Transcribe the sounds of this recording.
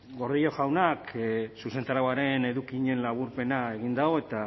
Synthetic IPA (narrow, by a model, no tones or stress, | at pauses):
ɡo̞ɾðiʎo̞ʝawnaksuse̞nt̪aɾawaɾe̞ne̞ðukiɲe̞nlaβ̞uɾpe̞nae̞ɣind̪aoe̞t̪a